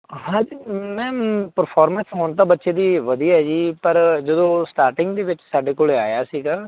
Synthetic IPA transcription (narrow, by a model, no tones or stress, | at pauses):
ɦãːd͡ʒiːmɛ̃ːpəɾpʰaːɾmə̃nsɦoːɳt̪̬aːbətːʃeːd̪iːʋəd̪iːɦɛːd͡ʒiːpəɾd͡ʒəd̪õːsʈaːɾʈɪŋɡd̪eːʋɪt͡ʃsaːɖeːkoːleaːjaːsiːɡaː